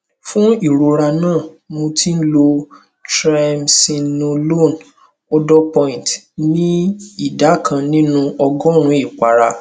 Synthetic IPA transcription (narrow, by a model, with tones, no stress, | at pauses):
fũ˦i˦˨ɾo˧ɾa˧nãː˦˨ | mõ˧tʰi˦n̩˦lo˧ | tɾa˧msĩ˧nõ˧lo˦˨n | ɔ˧dɔ˦pɔ̃˧ĩ˨t | nĩ˦i˦˨da˨˦kʰã˧nĩ˦nũ˧ɔ˧ɡɔ̃˦ɾ̃ũ˨˦i˦˨k͡pa˨˦ɾa˧